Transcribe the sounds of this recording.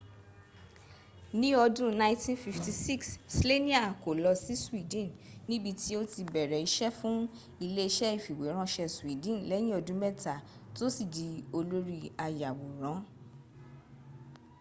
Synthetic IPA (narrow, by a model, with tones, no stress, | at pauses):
nĩ˦ɔ˧dũ˦nã˧˦tĩ˦nfi˧fti˧si˦˨kssle˦nĩ˦a˨ko˨lɔ˧si˨˦su˦wi˨dĩ˦˨nnĩ˦bi˧ti˦o˦ti˧bɛ˨ɾɛ˨i˧ʃɛ˦fũ˦ | i˧le˦i˧˦ʃɛ˦i˦˨fi˨we˨˦ɾ̃ã˦ʃɛ˧su˨i˨˦dĩ˦˨n˨lɛ˨˦j̃ĩ˦ɔ˧dũ˦mɛ˦˨ta˨to˦si˨di˨˦o˧lo˦ɾi˧a˧ja˨wo˨ɾ̃ã˨˦